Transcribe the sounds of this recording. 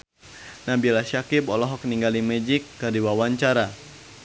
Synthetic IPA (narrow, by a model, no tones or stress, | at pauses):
nabilaʃakɪbɔlɔɦɔk̚niŋɡalimɛd͡ʒɪkːərdiwawaɲt͡ʃaɾa